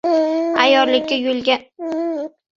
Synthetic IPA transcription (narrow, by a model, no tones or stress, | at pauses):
ajɒɾlɪkʲːajʊlɡʲa